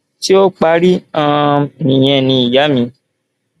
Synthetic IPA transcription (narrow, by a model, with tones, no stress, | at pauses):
ti˦o˦k͡pa˧ɾi˦ã˦˧nĩ˨j̃ɛ̃˧˨nĩ˧i˨ja˨˦mĩ˧